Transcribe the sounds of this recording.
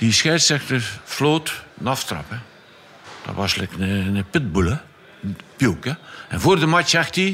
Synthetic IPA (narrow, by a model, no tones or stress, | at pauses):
d̥isxɛjsɛxtərfloːtnɑftrɑ̰pə | d̥ɔ̰ʋʔɑ̰slɛknənəpɪt̚bulə | pjukəɛnvoːrdəmat͡ʃɛxti